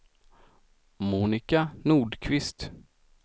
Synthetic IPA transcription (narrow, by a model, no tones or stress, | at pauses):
muːnɪkanuːɖkʰvɪst̪